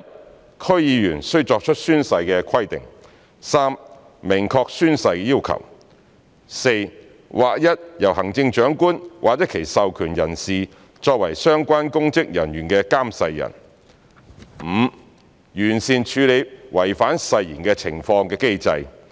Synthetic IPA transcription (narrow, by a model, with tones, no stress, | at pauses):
jɐ˥t̚ | kʰɵ˥ɥjiː˨˧jyː˨˩nsɵ˥ɥt͡ʃɔː˧k̚t͡ʃʰɵ˥t̚syː˥nsɐ˧jkɛː˧kʰɐ˥jt̪ɪ˨ŋ | saː˥m | mɪ˨˩ŋkʰɔː˧k̚syː˥nsɐ˧jkjiː˥wkʰɐ̰˨˩w | se˧j | waː˨k̚jɐ˥t̚jɐ˨˩wɦɐ˨˩ŋt͡sɪ˧ŋt͡ʃœː˨˥ŋkuː˥nwʔaː˨k̚jɐ˥kʰe˨˩jsɐ˨wkʰyː˨˩njɐ˨˩nsiː˨ | t͡ʃɔː˧k̚wɐ˨˩jsœː˥ŋkʷaː˥nkʊ˥ŋt͡sɪ˥k̚jɐ˨˩njyː˨˩nkɛː˧kaː˥msɐ˧jːɐ̰˨˩n | m̩ː˨˧ | jyː˨˩nsiː˨˩nt͡ʃʰyː˨˧li˨˧p̚wɐ˨˩jfaː˨˥nsɐ˧jjḭː˨˩nkɛː˧t͡sʰɪ˨˩ŋfɔː˧ŋkɛː˧ke˥jt͡sɐ˧j